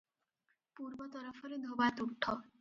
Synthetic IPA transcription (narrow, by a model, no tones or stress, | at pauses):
puɾbot̪ɔɾɔfʰɔɾed̪ʱobat̪uʈʰːo